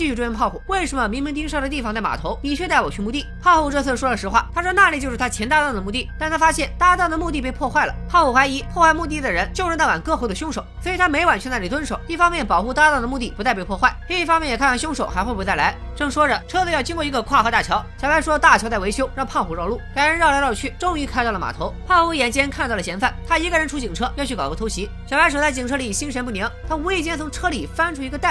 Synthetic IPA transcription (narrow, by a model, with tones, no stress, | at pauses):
t͡ɕy˥˩y˧˩ʈ͡ʂɤ˥˧˩ɥɛ˥npʰɑ˥˧ʊxu˨˥˩we˥˩ɪʂə˧˥mə˧mi˧˥ŋmi˧˥ŋt̪̬ʰi˥ŋʂɑ˥˩d̪ə˩t̪i˥˩fɑ˨˧ŋt͡sa˥˩ɪma̰˨˩t̪ʰo˧˥ʊni˨˩t͡ɕʰɥɛ˥˧t̪a˥˩ɪwɔ˨˩t͡ɕʰy˥˧mu˥˧t̪̬i˥˩pʰɑ˥˧ʊxu˧˩ʈ͡ʂɤ˥˧t͡s̩ʰ˥˩ʂwɔ˥lə˩ʂɻ̩˧˥xwa̰˥˩t̪ʰa˥ʂɔ˥na˥˧li˥˩t͡ɕo˥˧ʊʂɻ̩˥˩t̪ʰa˥t͡ɕʰjɛ˧˥nt̪a˥˧t̪ɑ˥˩ʊd̪ə˩mu˥˧˩t̪i˥˩t̪a˥˧nt̪ʰa˥fa˥ɕjɛ˥˩nt̪a˥˧t̪ɑ˥˩d̪ə˩mu˥˧t̪i˥˧pe˥˧ɪpʰwɔ˥˧xwa˥˩ɪlə̰˩pʰɑ˥˧ʊxu˨˩xwa˧˥ɪi˧˥pʰwɔ˥˧xwa˥˧ɪmu˥˧t̪̬i˥˩d̪ə˩ɻə˧˥nt͡ɕjʊɻ̩˥n˥˩wa̰˨˩nkɤ˥˧xo˧˩ʊdə˩ɕjʊ˥ŋʂo˨˩˦swɔ˧˥i˨˩t̪ʰa˥me˧˥ɪ˥wa˨˩nt͡ɕʰɛ˥˧na˥˩li˧˩twə˥nʂo˨˩˦ʊi˥˩fɑ˥ŋmɛ˥˩n˩pɑ˨˩ʊxu˥˧˩t̪a˥˧t̪ɑ˥˩ʊd̪ə˩mu˥˧t̪i˥˩pu˧˥t̪a˥˧ɪpe˥˧ɪpʰɔ˥˧xwa˥˩ɪ˥˩i˥˩fɑ˥ŋmɛ˥˩jɛ˨˩kʰa˥˧nsɑ˥˧˩ɕjʊ˥ŋʂo˨˩ʊxa˧˥ɪxwe˥˩pu˧˥t͡sa˥˩ɪla˧˥ɪʈ͡ʂɤ˥˩ŋʂwɔ˥ɾə˨ʈ͡ʂʰɤ˥t͡sə˧jɑ˥˩ʊt͡ɕi˥ŋkwɔ˥˩i˧˥ɡə˧kʰwa˥˩xɤ˧˥t̪a˥˩t͡ɕʰjɑ˧˥ʊt͡ɕʰjɑ˨˩lɪʂwɔ˥t̪a˥˩t͡ɕʰɑ˧˥ʊt͡sa˥˩ɪwe˧˥ɪt͡ɕʰjo˥ʊɻɑ˥˧ŋpʰɑ˥˧ŋxu˧˩ɻɑ˥˧ʊlu˥˩ja˧˥ɻə˧˥nɻla˧˥ɪlɑ˥˧˩t͡ɕʰy˥˩ʈ͡ʂʊ˥˧ŋy˧˥˩kʰɪt̪ɑ˥˩lə˩ma̰˨˩o˧˥ʊpʰɑ˥˩ŋxu˧˥jɛ˨˩nt͡ɕjɛ˥nkʰa˥˧nt̪ɑ˥˩lə˩ɕjɛ˧˥nfa˥˩nt̪ʰa˥i˧˥ɡə˧ɻə˧˥nʈ͡ʂʰu˥t͡ɕi˨˩ŋʈ͡ʂʰɤ˥jt͡ɕʰy˥˩kɑ˨˩˧t̪ʰʊɕi˧˥ | ɕjɑ˨˩a˥ɪʂo˨˧˩t͡sa˥˩ɪt͡ɕi˨˩ʈ͡ʂʰɤ˥li˧˩i˨˩ɕi˥ŋʂə˧˥np̬u˥˩nji˧˥ŋt̪ʰa˥we˥ɪt͡ɕjɛ˥nt͡sʰʊ˧˥ŋʈ͡ʂʰɤ˥li˨˩fa˥nʈ͡ʂʰu˥i˧˥ɡə˧t̪a˥˩